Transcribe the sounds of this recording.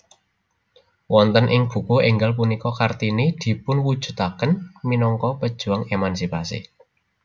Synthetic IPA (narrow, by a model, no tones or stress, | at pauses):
wɔnt̪ənʔɪŋb̥ṳkueŋɡalp̬unikɔkart̪inid̪̥i̤pʊnwud̥ʒ̥ṳt̪akənminɔŋkɔpəd̥ʒ̥ṳaŋemansipasḭ